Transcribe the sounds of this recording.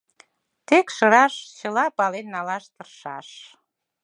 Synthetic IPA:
t̪ekʃəɾɑʃt͡ɕəlɑpɑlenːɑlɑʃt̪ərʃɑ̰ʃ

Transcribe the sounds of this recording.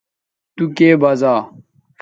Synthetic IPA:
t̪ukeːbɐzaː

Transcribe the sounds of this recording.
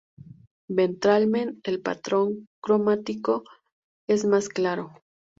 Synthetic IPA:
bent̪ɾalmenelpa̰t̪ɾoŋkɾomat̪iko | esmasklaɾo

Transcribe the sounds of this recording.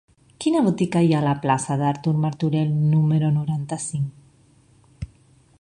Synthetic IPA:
kinaβot̪ikajalaplasaðaɾt̪uɾmaɾt̪uɾelnumeɾonuɾant̪asiŋk

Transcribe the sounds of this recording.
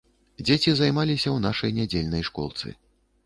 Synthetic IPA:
d͡zʲet͡sʲizajmalʲisʲɐwnaʂɐjnʲad͡zʲelʲnɐjʂkɔ̰lˠt̪sɨ̰

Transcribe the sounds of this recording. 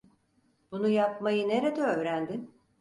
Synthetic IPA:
b̥unujapmajɯne̞ɾe̞d̪ɛøvɾænd̪ɪn

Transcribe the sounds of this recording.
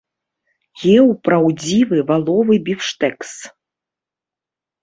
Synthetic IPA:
ɣʲɛwpɾawd͡zʲivɨvalˠɔvɨbʲifʂt̪ɛks

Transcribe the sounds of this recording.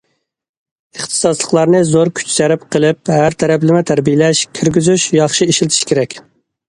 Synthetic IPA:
əχt̪ʰɨ̥sɑslˠəqlˠɑɾnɨzoɾkʲʰy̥t͡ʃsæɾɪpqʰəlˠɪphæɾt̪ʰæɾɛplɪmɪt̪ʰæɾbijlɛʃkʲʰiɾɡʲyzyʃjɑχʃiiʃilt̪ʰi̥ʃkʲʰeɾɛkʲ

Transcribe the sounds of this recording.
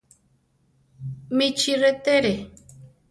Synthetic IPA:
mit͡ʃʰiɾet̪eɾe

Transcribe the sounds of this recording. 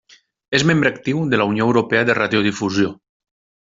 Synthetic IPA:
ezmẽmbɾəak̚t̪iwðəlaunjoewɾopɛaðeraðjoðifuzjo

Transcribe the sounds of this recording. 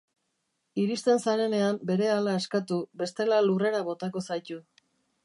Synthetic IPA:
iɾist̪e̞nsaɾe̞ne̞ambe̞ɾe̞alaeskat̪ube̞st̪e̞lalure̞ɾaβo̞t̪ako̞sajt̪u

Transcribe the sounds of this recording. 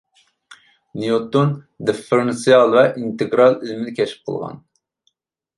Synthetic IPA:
nijot̪ːon | d̪efeɾensiɑlˠvɛʔint̪ʰɨɡɾɑlˠilmɪd̪ɪkʲʰɛʃi̥p̚qʰə̰lˠʁɑ̰n

